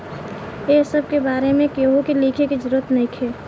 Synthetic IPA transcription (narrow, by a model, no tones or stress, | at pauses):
esəb̚ʱkebaːɾemẽkeɦokiliːkʰeked͡ʒʊɾət̪nəĩkʰe